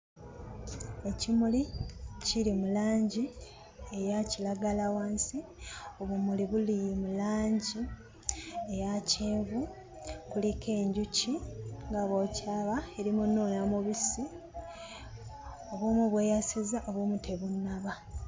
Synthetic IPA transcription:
e̞cimuliciɾimulaːɲɟi | e̞jacilaɡalawaːnsioβumuliβulijmulaːɲɟi | ejaceːɱvu | kulike̞ːɲɟuciŋɡaβo̞caːβaeɾimunoːnamuβisi | oβwoːmuβwe̞ːjasizaʔo̞βwoːmutʰe̞βunːaβa

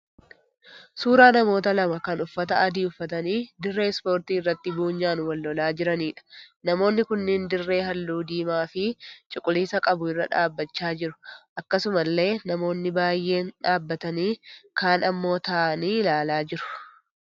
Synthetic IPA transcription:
suːɾaːnɐmo̞ːt̪ɐlɐmɐkɐnʊfːɐt̪ɐɐd̪iːʊfːɐt̪ɐniːd̪ɪrːe̞ːspo̞ːɾt̪iːɪrːɐt̪ːɪbuːɲːaːnʊwɐlːɔlaːd͡ʒɪɾɐniːᶑɐ̥nɐmo̞ːnːɪkʊnːɪnd̪ɪrːe̞ːɦɐlːuːd̪iːmaːfɪt͡ʃʼʊkʼːʊliːsɐkʼɐbʊɪrːɐ̰ᶑa̰ːbːɐt͡ʃːaːd͡ʒɪɾʊ̥ʔɐkːɐsʊmɐlːe̞ːnɐmo̞ːnːɪbaːjːe̞ːnᶑaːbːɐt̪ɐniːkaːnɐmːo̞ːt̪aːɐniːlaːlaːd͡ʒɪɾʊ̥

